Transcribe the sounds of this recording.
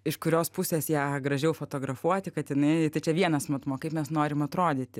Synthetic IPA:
ɪʃkʊɾʲoːspʊsʲeːsjæːɡɾɐʒʲɛʊfoːt̪oːɡɾɐfuɔt̪ʲɪkɐt̪jɪnɐɪt̪ɐɪt͡ʃʲɛʋʲiɛnɐsmɐt̪moːkɐɪpmʲɛsnoːɾʲɪmɐt̪ɾoːd̪ʲɪːt̪ʲɪ

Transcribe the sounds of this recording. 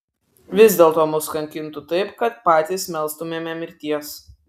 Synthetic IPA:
ʋʲɪzʲd̪ʲeːlˠt̪oːmʊskɐŋʲkʲɪnt̪ʊt̪ɐɪpkɐt̪̚pɑːt̪ʲiːsmʲɛlˠst̪ʊmʲeːmʲɛmʲɪɾʲt̪ʲiɛs

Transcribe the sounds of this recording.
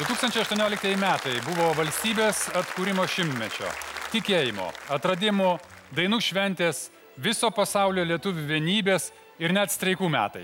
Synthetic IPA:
d̪ʊt̪uːksɐnʲt͡ʃʲɛɪɐʃt̪uɔnʲoːlʲɪk̚t̪ɐɛjɪmʲæːt̪ɐɪbʊʋoːʋɐlʲsʲt̪ʲiːbʲeːsɐt̪kuːɾʲɪmoːʃʲɪmt̪ʲmʲɛt͡ʃʲo̰ːt̪ʲɪkʲeːjɪmo̰ːɐt̪ɾɐd̪ʲɪmʊd̪ɐɪnuːʃʲʋʲɛnʲt̪ʲeːs | ʋʲɪsoːpɐsɑʊlʲoːlʲiɛt̪ʊʋʲʊʋʲiɛnʲiːbʲeːs | ɪɾnʲɛt̪st̪ʲɾʲɛɪkuːmʲæ̰ːt̪ɐ̰ɪ

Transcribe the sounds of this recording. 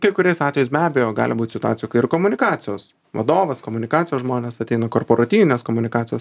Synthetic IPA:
kɐɪkʊɾʲɛɪsɑːt̪ʲʋʲɛjɛɪsʲbʲæːbʲejoːɡɑ̰ːlʲɪbuːt̪ʲsʲɪt̪ʊɑːsʲɪjukɐɪɪɾkomʊnʲɪkɑːt̪ʲɪjoːs | ʋɐ̰d̪oːʋɐskomʊnʲɪkɑːt̪sʲɪjoːsʒmoːnʲeːsɐt̪ʲɛɪnɐkoːrpoɾɐt̪ʲiːʋʲɪnʲeːskoːmʊnʲɪkɑːt̪t͡s̪ʲɪjoːs

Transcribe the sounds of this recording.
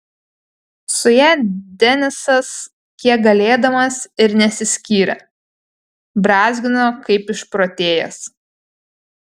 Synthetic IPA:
sʊjæːd̪ʲɛnʲɪsɐs | kʲiɛk̚ɡɐlʲeːd̪ɐmɐsɪɾnʲɛsʲɪsʲkʲiːɾʲɛ̰ | bɾɑːzʲɡʲɪnokɐɪpɪʃpɾoːt̪ʲeːjɛ̰s

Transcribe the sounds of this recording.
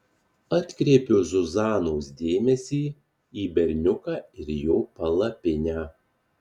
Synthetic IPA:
ɑt̪ʲkɾʲeːpʲoːzʊzɑːnoːsd̪ʲeːmʲɛsʲiː | iːbʲɛɾʲnʲʊkɑːɪɾjoːpɐlˠɐpʲɪnʲæː

